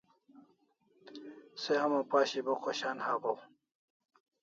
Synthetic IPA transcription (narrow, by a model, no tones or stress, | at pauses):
seɐmopaːɕiboqʰoɕaːnhaːbow